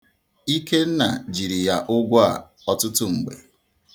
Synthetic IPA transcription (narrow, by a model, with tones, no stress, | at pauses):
i˦ke˦n̩˦na̰˨d͡ʒi˨ɾi˨ja˨ʔʊ˦ɡʷa̰˨ | ɔ˨tʊ˦tʊ˦ŋ͡m̩˨ɡ͡bḛ˨